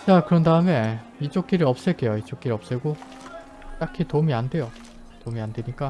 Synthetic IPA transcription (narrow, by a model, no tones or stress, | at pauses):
t͡ɕakɯɾʌndaɯme̞ | it͡ɕ͈ok͈iɾɯɭʌp̚s͈eɭk͈e̞joit͡ɕ͈ok͈iɾɯʌp̚s͈eɡo | t͈akʰitomiande̞jo | tomiande̞ɲik͈a